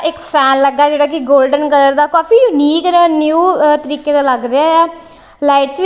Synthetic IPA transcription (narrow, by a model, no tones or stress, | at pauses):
ɪkpʰɛːnləɡaːd͡ʒeːɽaːkɪɡoːlɖənkəd̪əɾd̪aːkaːfiːjʊniːkːnjuːt̪əɾiːkeːt̪aːləɡɾeaɛː | laːɪʈsʋiː